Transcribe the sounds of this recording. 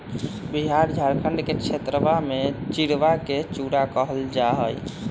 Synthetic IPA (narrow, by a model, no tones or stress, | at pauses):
biɦaɾd͡ʒʱaɾkʰəɳɖkekt͡ʃʰet̪ɾəbamet͡ʃiɽʋaket͡ʃuɽakəɦəld͡ʒaɦəj